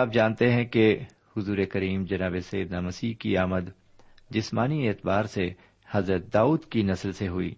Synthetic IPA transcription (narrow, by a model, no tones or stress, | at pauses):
aːp̚d͡ʒaːnt̪eɦɛ̃ke | hʊzuːɾekɐɾiːmd͡ʒɐnaːbesɐjːəd̪namɐsiːɦkiaːməd̪ | d͡ʒɪsmaːnieːt̪baːɾse | hɐzɾət̪̚d̪aːuːd̪kinɐslseɦʊḭː